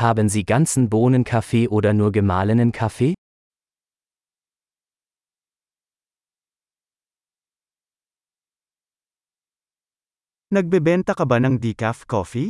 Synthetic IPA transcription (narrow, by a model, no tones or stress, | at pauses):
haːbənziːɡant͡sn̩boːnənkʰafeːʔoːdɐnuːɐɡəmaːlənənkʰafeː | nɐk̚bebɛntakɐbɐnɐŋdikafkɔfi